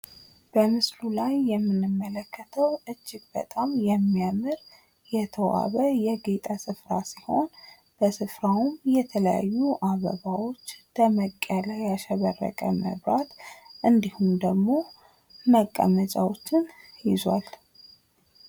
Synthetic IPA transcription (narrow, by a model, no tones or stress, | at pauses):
b̥əmɨslulajːɛmːɨnːɨmːələkʰːət̪ʰəwɨd͡ʒːɪɡ̚bə̰t̪ʼamjɛmːijamɨɾ | jɛt̪ʰəwa̰βəjɛɡet̪ʼasɨfɾasiho̞n | b̥əsɨfɾawumjɛt̪ʰələja̰jːuʔaβə̰βawo̞t͡ʃːləməkʼːəlajaʃɛβərːə̰kʼə̰mə̰βɾat̪ʔɨnd̪ihumd̪əɡmo̞ | məkʼːa̰mət͡ʃʼawot͡ʃːɪnjɪzwa̰l